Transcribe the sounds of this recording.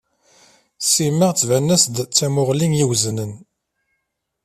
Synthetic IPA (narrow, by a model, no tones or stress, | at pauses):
simːəʁt͡sːvænːæsd̪t͡sːæmʊʁlinjiwznən